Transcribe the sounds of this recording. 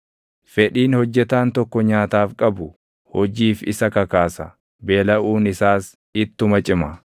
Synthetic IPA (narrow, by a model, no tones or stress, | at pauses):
fɛᶑiːnhɔd͡ʒːɛt̪aːnt̪ɔkːɔɲaːt̪aːfkʼɐbʊ | hɔd͡ʒiːfɪsɐkɐkaːsɐ | be̞ːlɐʔuːnɪsaːs | ɪt̪ːʊmɐt͡ʃʼɪmɐ